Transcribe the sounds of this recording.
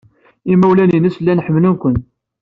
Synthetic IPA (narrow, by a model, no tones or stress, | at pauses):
imæwlæninəslːænħəmːlunkʷənt̪